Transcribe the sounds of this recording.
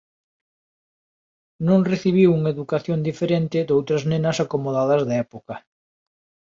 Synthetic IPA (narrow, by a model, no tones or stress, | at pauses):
nõŋreθiβiwuŋeðukaθjond̪ifeɾent̪ɪd̪owt̪ɾɐznẽnɐsakomoðaðɐzðaɛpokɐ